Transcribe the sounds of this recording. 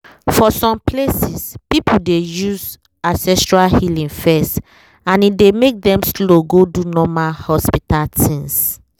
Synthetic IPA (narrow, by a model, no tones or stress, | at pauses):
fɔsɔ̃mplesispipudejuz | ãnsɛstɹalhilĩŋfɛst | ãnidemek̚dɛ̃msloɡodunɔmalhɔspitaltʰĩŋs